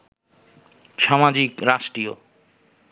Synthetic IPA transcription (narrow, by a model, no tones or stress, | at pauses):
ʃamad͡ʑikɾaʃʈɾio